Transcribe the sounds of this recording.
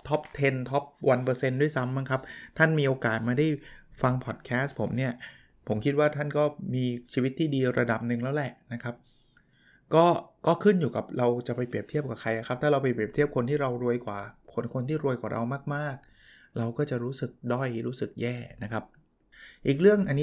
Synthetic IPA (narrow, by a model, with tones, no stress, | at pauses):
t̪ʰɔ˦˥p̚t̪ʰe˧nt̪ʰɔ˦˥p̚wa˧npɤː˧se˧ndu˥˩jsa˦˥mːa˦˥ŋkʰa˦˥p̚t̪ʰa˥˩nmiː˧ʔoː˧kaː˨˩t̪̚maː˧da˥˩jfa˧ŋpʰɔː˨˩t̪̚kʰɛː˦˥spʰo˩˦mni˥˩ɐ | pʰo˩˦mkʰi˦˥t̪̚waː˥˩t̪ʰa˥˩nkɔː˥˩miː˧t͡ɕʰiː˧wi˦˥t̪ʰːiː˥˩diː˧ɾa̰˧da˨˩p̚nɯ˧˩ŋlɛ˦˥wlɛ˨˩ʔna˦˥kʰa˦˥p̚ | kɔː˥˩kɔː˥˩kʰɯ˥˩njuː˨˩ka˨˩˦p̚ɾa˧wt͡ɕa˨˩pa˧jpɾi˨˩əp̚t̪ʰi˥˩əp̚kwaː˨˩kʰa˧jʔa˨˩kʰa˦p̚t̪ʰaː˥ɾa˧wpa˧jpɾi˨˩əp̪̚ʰi˥˩əp̚kʰo˧nt̪ʰiː˥˩ɾa˧wɾu˧əjkwaː˨˩kʰo˧nkʰo˧nt̪ʰiː˥˩ɾu˧əjkwaː˨˩ɾa̰˧wmaː˥˩k̚maː˥˩k̚ | ɾa˧wkɔː˥˩t͡ɕa˨˩ɾuː˦˥sɯ˨˩k̚dɔ˥˩jɾuː˦˥sɯ˨˩k̚jɛː˥˩na˦˥kʰa˦˥p̚ | ʔiː˨˩k̚ɾɯ˥˩əŋʔa˧nːi˦˥